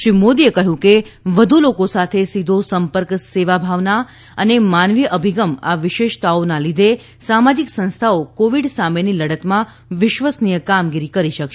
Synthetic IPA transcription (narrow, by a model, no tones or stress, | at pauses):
ʃɾimod̪iekəɦjũkeʋəd̪ʱulokosat̪ʰesid̪ʱosəmpəɾkseʋabʱaʋna | ənemanʋiəʔəbʱiɡəma̰ʋɪʃeʃt̪aonãlid̪ʱe | samad͡ʒiksə̃nst̪ʰaokoʋiɖsameniləɽət̪mã | ʋɪʃʋəsnijəkamɡiɾikəɾiʃəkʃe